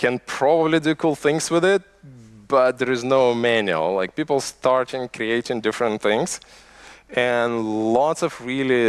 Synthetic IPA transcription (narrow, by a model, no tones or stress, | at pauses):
kʰɨ̃npʰɹ̥ɑbəblidɨkʰulˠθɪ̃ŋz̥wɨðɪt̚b̥ʌt̪̚ðə˞ɨznoʊmænjʉ̰l̩ˠlaɪk̚pipl̩ˠstʰɑɹɾɪ̃ŋkʰɹieɪɾɪ̃ŋdɪfɹə̃nθɪ̃ŋz̥ | ɨ̃nlɔtsʌvɹilˠi